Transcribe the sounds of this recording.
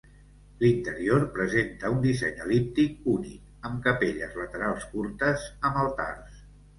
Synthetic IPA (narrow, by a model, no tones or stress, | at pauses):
lint̪əɾioɾpɾəzent̪əund̪isɛ̰ɲəlip̚t̪ik̚unḭk | əmkəpeʎəzlət̪əɾalˠskuɾt̪əzəməlˠt̪a̰rs